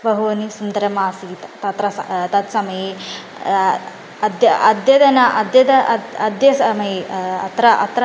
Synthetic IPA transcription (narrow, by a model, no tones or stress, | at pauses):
bɐɦuːɐnisund̪ɐɾjɐmaːsiːt̪t̪ɐt̪ɾɐsɐt̪ɐt̪sɐmɐje | ɐd̪jɐɐd̪jɐd̪ɐnɐʔɐd̪jɐd̪ɐɐd̪jɐsɐmɐjeɐ̰t̪ɾɐʔɐ̰t̪ɾɐ